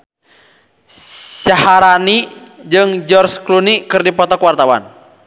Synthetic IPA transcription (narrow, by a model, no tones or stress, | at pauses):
sahaɾanid͡ʒɨŋd͡ʒɔrsklunikɨrdipɔt̪ɔkwart̪awa̰n